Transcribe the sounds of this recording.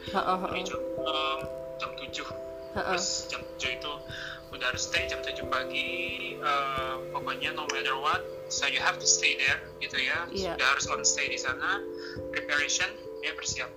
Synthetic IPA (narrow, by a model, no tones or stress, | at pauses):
əaid͡ʒaəm | d͡ʒamt̪ud͡ʒʊh | ʔɾʊsd͡ʒamt̪ud͡ʒʊhit̪u | udahaɾʊsːt̪ejd͡ʒamt̪ud͡ʒʊhpaɡiəmpokɔɲanomɛdərwat̪̚ | sojuɦɛft̪ust̪edɛr | ɡit̪ujadahaɾʊslaŋst̪ejdisana | ɾipaɾeʃɔn | jabərsiap̚